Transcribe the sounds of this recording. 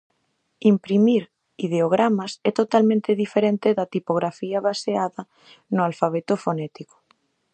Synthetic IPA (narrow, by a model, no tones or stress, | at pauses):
impɾimiɾ | ið̞eoɣ̞ɾamasɛt̪ot̪almẽnt̪eðifeɾent̪eðat̪ipoɣɾafiaβaseaðɐ | nʊalfaβ̞et̪ofonɛt̪iko̥